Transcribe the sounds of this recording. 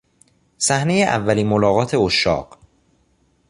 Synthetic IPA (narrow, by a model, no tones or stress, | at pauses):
sæhne̞jeʔævːæliːnmolɒːɣɒːt̪ʰe̞oʃːɒ̰ːɢ